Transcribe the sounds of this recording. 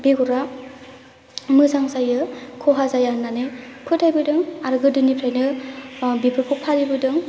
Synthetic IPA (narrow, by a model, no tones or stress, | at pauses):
biɡɔɾa | mɯzaŋsajɯkʰɔɦazajanːanɯpʰɯtʰajbɯdɯŋaɾɡɯdɯnipʰɾajnɯ | bipʰɯkʰɔpʰadibɯdɯŋ